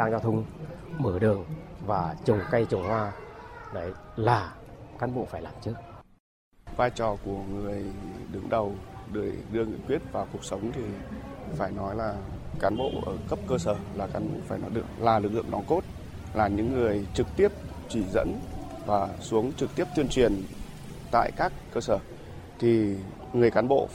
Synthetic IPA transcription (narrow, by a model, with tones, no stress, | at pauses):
ɗaː˧ŋzaː˧t̪ʰʊ˧ŋ͡mməː˧˩ɗɨ˨˩əŋvaː˨˩t͡ɕʊ˨˩ŋ͡mka˧jt͡ɕʊ˨˩ŋ͡mhwaː˧nə˨˦jlaː˨˩kaː˨˦nɓo̰˧˨faː˧˩jlaː˨˩mt͡ɕɨ˦˥ək̚ | vaː˧jt͡ɕɔ˨˩ku˧˩əŋɨ˨˩əjɗɨ˨˦ŋɗə˨˩wɗɨ˧˩əjɗɨ˧əŋḭ˧˨ŋkwi˦˥ət̚vaː˨˩wku˨˩ək̚sə˨˦wŋ͡mt̪ʰi˨˩faː˧˩jnɔ˨˦jlaː˨˩kaː˨˦nɓo̰˧˨ʔəː˧˩kə˦˥p̚kəː˧səː˧˩laː˨˩kaː˨˦nɓo̰˧˨faː˧˩jnɔ˨˦jɗɨ˨˩əklaː˨˩lɨ˨˩k̚lɨ̰˧˨ə˨ŋɗɔ˨˦nk̪o˦˥t̚ | laː˨˩ɲɨ̰˧˥ŋːɨ˨˩əjt͡ɕɨ˨˩k̚t̪i˦˥əp̚t͡ɕi˧˩zə̰˧˥n | vaː˨˩su˨˦əŋt͡ɕɨ˨˩k̚t̪i˦˥əp̚t̪i˧ənt͡ɕwi˨˩ən | t̪a̰ː˧˨jkaː˦˥kːəː˧səː˧˩ | t̪ʰi˨˩ | ŋɨ˨˩əjkaː˨˦nɓo̰˧˨